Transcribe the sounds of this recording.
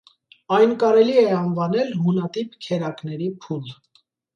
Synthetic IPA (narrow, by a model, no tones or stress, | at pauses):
ɑjnkɑɾɛliɛɑnvɑnɛlhunɑt̪ipkʰɛɾɑknɛɾipʰul